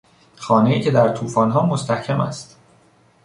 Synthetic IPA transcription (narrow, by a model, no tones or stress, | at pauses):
xɒːnejiːcʰe̞d̪æɾt̪ʰuːfɒːnɦɒːmost̪æhcʰæmæ̰st̪